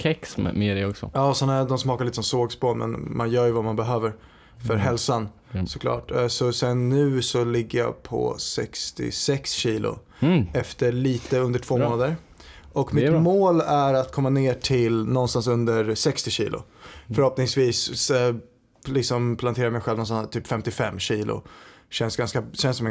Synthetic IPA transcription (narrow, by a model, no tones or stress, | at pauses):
kʰɛksm̰meːɾɛɔksɔ̰jɑːsɔnæd̪ɔmsmɑːkaɾliːt̪əsɔmsoːɡspʰɔmɛ̰nmʔa̰njœːɾjəvamanbɛɦøːvəɾ | fœɾɦɛlsan | sɔ̥kʰlɑ̰ːʈsɔsɛnːʉ̟ːsɔlɪɡːəja̰pʰɔ̰sɛ̰kst̪ɪ̰sɛksɕiːlʔʊ̰ | ɛft̪əɾɭiːt̪əɵnd̪əʈʰv̥oːmoːnad̪əɾ | ʔɔkmɪt̪moːlæɾat̪kʰɔmːaneːʈʰɪlnɔnst̪ansɵnd̪əɾsɛkst̪ɪɕḭːlʊ̰fœɾhɔpnɪŋsviːs | lɪksɔmpʰlant̪ʰeːɾaɾmɛjɧɛlvnɔnsɔnt̪ʰyːpfɛmt̪ɪfɛmːɕiːlʊ̰ɕɛnsɡanskaɕɛnsɔmɛ